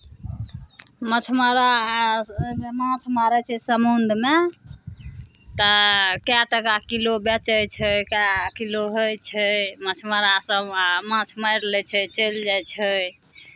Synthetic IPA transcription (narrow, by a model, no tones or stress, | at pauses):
mət͡ʃʰməɾa | mãt͡ʃʰmaɾɛt͡ʃʰɛsəmund̪ʱme | t̪əkjaʈəkakilobɛt͡ʃəjt͡ʃʰəkakiloɦojt͡ʃʰəmət͡ʃʰməɾasəmãt͡ʃʰməjɾlɛt͡ʃʰət͡ʃəld͡ʒajt͡ʃʰə